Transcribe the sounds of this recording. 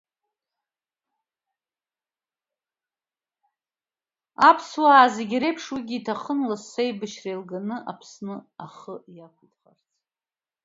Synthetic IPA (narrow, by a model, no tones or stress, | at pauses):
apʰswaːzeɡʲiɾejpʰʂwiɡʲiːtʰaχənlasːejbɨʃrejlɡanɨʔapʰsnɨaχəjakʷʰitʰʼχa̰rt͡sʰʼ